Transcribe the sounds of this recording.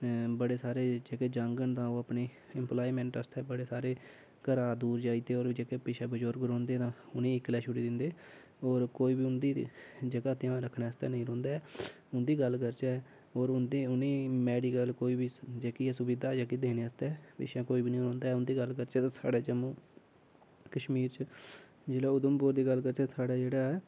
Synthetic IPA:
bəɽeːsaːɾeːd͡ʒeːkeːd͡ʒãːŋɡəɳt̪ãːoːəpneː | ɪmplaːiːmɛ̃ːɳʈəst̪ɛːbəɽeːsaːɾeː | kəɾaːd̪uːɾd͡ʒaːiːd̪eːoːɾd͡ʒeːkeːpɪʃʰɛ̃ːbəd͡ʒoːɾɡəɾõːnd̪eːt̪ãːʊnẽːɪkːlɛːʃʰʊɽiːd̪ɪnd̪eː | oːɾkoːiːbiːʊnd̪ḭːd͡ʒəɡaːt̪ɪjãːɾəkʰneːəst̪ɛ̰ːnəĩːɾõːnd̪aːɛː | ʊnd̪iːɡəlkəɾt͡ʃaɛː | oːɾʊnd̪eːʊnẽːmɛːɽiːɡəlkoːiːbiːd͡ʒeːkiːɛːsʊbiːd̪aːd͡ʒaːkiːd̪eːneːəst̪ɛːpɪ̰ːʃãːkoːiːbiːnəĩːɾõːnd̪aːɛːʊnd̪iːɡəlkəɾt͡ʃɛːt̪ãːsa̰ːɖaːd͡ʒəmõː | kəʃmiːɾt͡ʃ | d͡ʒeːɽaːʊd̪əmpʊɾd̪iːɡəlkəɾt͡ʃɛːsaːɽaːd͡ʒeːɽaːɛ

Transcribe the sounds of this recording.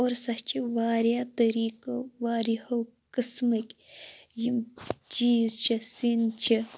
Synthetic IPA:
oːɾsɐht͡ʃʰiʋaːɾjaːt̪ɐɾiːkɐʋaːɾihɐw | kɨsmɐkʲjimt͡ʃiːzt͡ʃʰɐsint͡ʃʰi

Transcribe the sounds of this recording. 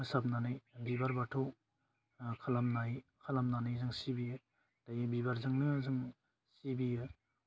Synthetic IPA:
ɯsap̚nanɯjbibaɾbatʰo | kʰalamnajikʰalamnanɯjzɯŋsibijɯ | tajɯbibaɾzɯŋnɯzɯŋ | sibijɯ

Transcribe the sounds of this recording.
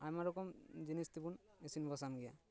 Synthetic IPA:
ajmaɾɔkɔmd͡ʒinist̪ibun | esinbɔsamɡɛja̰

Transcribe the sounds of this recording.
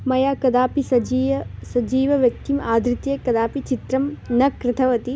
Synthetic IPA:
mɐjaːkɐd̪aːpisɐd͡ʒisɐd͡ʒiːʋɐʋjɐk̚t̪imaːd̪ɾit̪jekɐd̪aːpit͡ʃit̪ɾɐmnɐkɾɪt̪ʰɐʋɐt̪i

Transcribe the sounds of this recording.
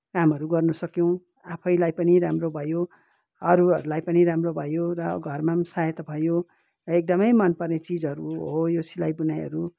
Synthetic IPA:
kamɦʌɾuɡʌrnusʌkjow̃ | apʰʌjlajpʌniɾamrobʱʌjo | ʌɾuʌɾulajpʌniɾamrobʱʌjorʌɡʱʌrmamsajʌt̪ʌbʱʌjo | ek̚d̪ʌmʌjmʌnpʌrnet͡sid͡zʌɾuɦojosilajbunajɦʌ̰ɾu

